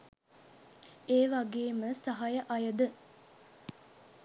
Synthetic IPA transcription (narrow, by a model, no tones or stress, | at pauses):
eːʋaɡeːməsaɦajəʔɐjəd̪ə